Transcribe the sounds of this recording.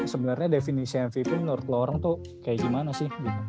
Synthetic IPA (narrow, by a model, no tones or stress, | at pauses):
səbənərɲadefinisiɛnfipʊnənuɾʊt̪loɾaŋt̪ʊ | kajaʔɡimanasɪhɡi